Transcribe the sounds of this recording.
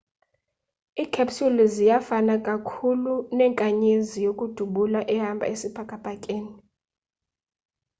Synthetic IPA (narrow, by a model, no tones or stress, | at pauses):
iːkʰɛpsulizijafanakʼakʰulunɛŋkʼaɲezijokʼud̥ʱuɓulaʔɛhambʱa̰esib̥ʱakʼab̥ʱakʼeːni